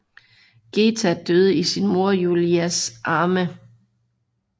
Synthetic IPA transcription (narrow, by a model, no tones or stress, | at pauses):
ɡ̥eːt͡sʰæd̥øð̞ˠəisinmo̝ɐjuliæsʔɑ̈ːmə